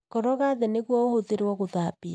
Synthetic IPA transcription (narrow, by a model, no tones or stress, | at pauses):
kɔɾɔɣaðɛneɣwɔohoðeɾwɔɣoðaːpia